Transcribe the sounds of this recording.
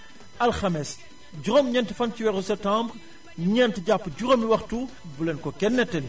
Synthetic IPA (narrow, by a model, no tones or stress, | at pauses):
ɐlxɐmɛs | ɟuɾɔmɲɛntifɐnciwɛɾusɛp̚tãːmbr | ɲɛntəɟapːəɟuɾomiwɐxtu | bulɛnkɔkɛnːɛtːɐn